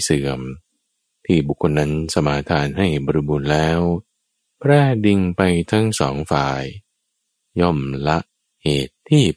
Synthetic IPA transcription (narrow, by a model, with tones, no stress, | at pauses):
sɯː˩˦əm | t̪ʰiː˥˩bu˨˩kʰːo˧nːa˦˥nsa˧maː˩˦t̪ʰaː˧nɦa˥˩jbɔ˧ɾi˦˧buː˧nlɛː˦˥w | pʰɾɛː˥˩di˧ŋpa˧jt̪ʰa˦˥ŋsɔː˩˦ŋfaː˨˩j | jɔ˥˩mla˦˥ʔ | heː˨˩t̪ʰːiː˥˩